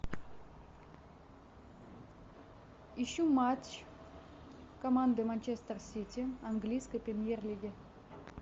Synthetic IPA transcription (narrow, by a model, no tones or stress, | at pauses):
ɪɕːumat͡ɕ | kɐmand̪ɨmɐnʲt͡ɕest̪ərsʲitʲiɐnɡlʲijskəjpɾʲɪmʲjerlʲiɡʲɪ